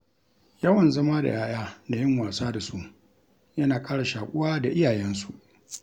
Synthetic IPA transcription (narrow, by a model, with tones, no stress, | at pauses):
jɐ˦wɐ˨nzɐ˦ma˦da̰˨jaː˦jaː˦da˨jɪ˦ŋwaː˨saː˦da˨su˦ | jɐ˦naː˨kʼaː˦ɽa˨ʃaː˨kʷʼʊ˦waː˦da˨ʔɪ˦jaː˨jɛ˦nsu˨ʔ